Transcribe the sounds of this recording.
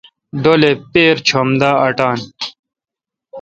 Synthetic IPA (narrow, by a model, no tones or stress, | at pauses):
ɖolepeːɾt͡ɕʰomd̪aːɐʈaːn